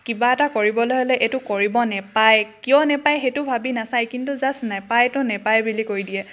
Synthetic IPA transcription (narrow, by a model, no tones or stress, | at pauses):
kibaɛtakoɹibɔlojɦɔlɛʔetʊkoɹibɔnɛpajkijɔ̃nɛpajxetʊbʱabinasajkintuzasnajpajtʊnɛpajɛbilikoɹidiɛ